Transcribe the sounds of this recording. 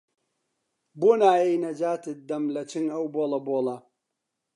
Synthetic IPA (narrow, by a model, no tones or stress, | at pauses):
boːnaːjejnɐd͡ʒaːt̪ɨd̪ɐmlɐt͡ʃʰɨŋɐwbolɐboːlɐ